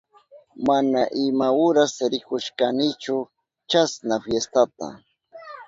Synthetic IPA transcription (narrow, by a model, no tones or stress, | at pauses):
manaʔɪmaʊɾasɾɪkʊʃkanɪt͡ʃʊ | t͡ʃasnafjest̪at̪a̰